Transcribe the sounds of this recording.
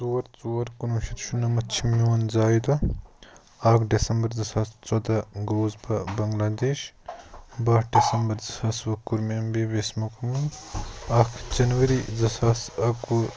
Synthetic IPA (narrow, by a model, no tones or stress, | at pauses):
zuɐɾt͡suːɐɾkunuʃɐɾʃunɐmɐt͡ʃʰimjuːɐnzaːjd̪ɐ | aːkʰɖesɐmbɐɾzɐsaːst͡sod̪aɡoːzbɐbɐŋɡlaːd̪eːʃ | bɐɦɖesɐmbɐɾzɐsaːsʋɐkːuɾmembeʋesmɐkɐmɐnaːkʰd͡ʒɐnʋɐɾizɐsaːsɐku